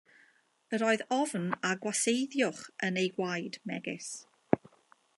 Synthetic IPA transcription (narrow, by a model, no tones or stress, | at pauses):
əɾɔːɨðɔvnaɡwasejðjʊχənejɡwajdmɛɡɪ̰s